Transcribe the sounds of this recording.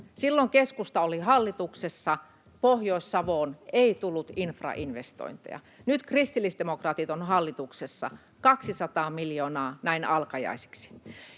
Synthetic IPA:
silːoŋkeskust̪ɑolihɑlːit̪uksesːɑ | pohjoˑisːɑʋoːneit̪ulːut̪infrɑ̰ʔinʋest̪o̰int̪ḛjɑ̰ | nyt̪krist̪ilːist̪emokrɑːt̪it̪onhɑlːit̪uksesːɑ̰ | kɑksisɑt̪ɑːmiljoːnɑːnæinɑlkɑjɑ̰ise̥ksi̥

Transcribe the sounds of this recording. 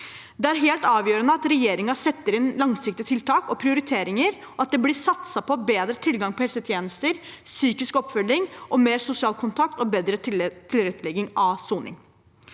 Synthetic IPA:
d̪ɛæɾɦeːlt̪ɑːʋjøːɾənəɑt̪ɾɛjeːɾɪŋɑsɛt̪ːəɾɪnlɑŋsɪk̚t̪ɪt̪ʰɪlt̪ɑːkɔpʰɾɪʊɾɪt̪ʰeːɾɪŋəɾ | ɔɑt̪̚d̪ɛblɪsɑt̪sɑpʰɔbeːd̪ɾət̪ʰɪlɡɑŋpʰɔhɛlsət̪ʰjeːnəst̪əɾsyːkɪskɔpːfœlːɪŋʔɔmeːɾsʊsɪɑːlkʰʊnt̪ʰɑk̚t̪ɔbeːd̪ɾət̪ʰɪlɾɛt̪ːlɛɡːɪŋɑsuːnɪ̰ŋ

